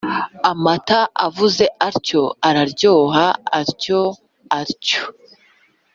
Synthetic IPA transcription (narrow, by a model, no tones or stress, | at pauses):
amataʔavuze̞ʔaɾco̞aɾaɾɟo̞ːɦaːɾco̞ | aɾco